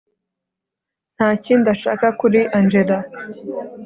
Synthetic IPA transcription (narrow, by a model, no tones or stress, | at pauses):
n̥haːcindaʃa̰ːkakuɾiʔand͡ʒeda